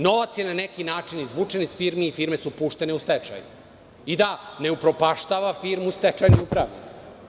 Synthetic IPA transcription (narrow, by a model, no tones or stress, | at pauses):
no̞ʋat̪sjenanekinaːt͡ʃinizʋuːt͡ʂenisfiɾmiːfiɾmesupuːʃt̪e̞ne̞ust̪et͡ʃa̰jṵ | id̪ane̞upɾo̞paʃt̪aʋafiɾmust̪et͡ʃajniupɾaʋnḭk